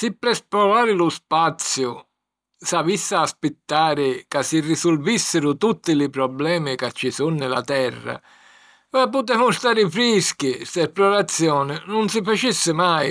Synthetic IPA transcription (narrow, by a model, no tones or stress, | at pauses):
sɪpːɾɛspɾɔlaːɾɪlʊspat̪sːjʊ | savisːaːspɪt̪ːaːɾɪkasːirisʊlvisːɪɾʊt̪ut̪ːɪlɪpɾɔblɛːmɪkat͡ʃːisunːɪla̰t̪ɛrːa̰ | vɛpːʊt̪̬ɛːmʊst̪aːɾɪfɾisk̟isɛpɾɔɾat̪sːjɔːnɪnʊnsɪfat͡ʃisːɪmaj